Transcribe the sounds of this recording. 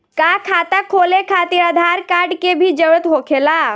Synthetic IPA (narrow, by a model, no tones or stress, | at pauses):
kaːkʰaːt̪akʰoːlekʰaːt̪iːɾaːd̪ʱaːɾkaːɾɖkebʱid͡ʒəʋət̪ɦoːkʰeːlaː